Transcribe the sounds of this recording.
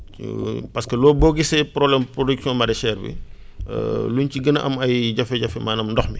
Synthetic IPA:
pɐskəlɔːbɔːɡisɛpɾɔblɛmprodiksɔ̃ːmɐɾɛʃɛːrbḭ | lunciɡənɐʔɐmɐjɟɐfɛɟɐfɛmaːnɐmdɔxmi

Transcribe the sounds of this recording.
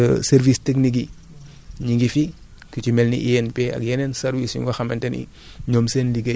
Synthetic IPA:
sɛɾviːstɛkniɡ̬i | ɲiŋɡifi | kucimɛlnḭʔiɛnpeɐ̰kjɛnɛnsɛɾwisɲṵŋɡɔxɐmɛntɛnḭ | ɲoːmsenliɡe

